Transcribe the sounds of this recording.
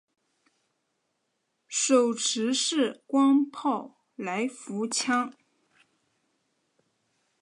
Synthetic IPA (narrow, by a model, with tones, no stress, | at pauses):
ʂo˨˩ʊʈ͡ʂʰɻ̩˧˥ʂɻ̩˥˩kwɑ˥ŋpʰɑ˥˩ʊ | la˧˥ɪfu˧˥t͡ɕʰjɑ˥ŋ